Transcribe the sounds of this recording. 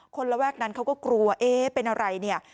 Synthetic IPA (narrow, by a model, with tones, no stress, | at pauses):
kʰo˧nla˧wɛː˥˩k̚na˦˥nkʰa˦˥wkɔː˥˩klu˧ɐʔeː˦pe˧nʔa˧ɾa˧jni˥˩ɐ